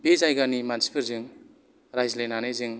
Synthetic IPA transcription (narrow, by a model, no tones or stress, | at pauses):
bezajɡanimansi̥pʰɯɾzɯŋ | ɾajzlenaneziŋ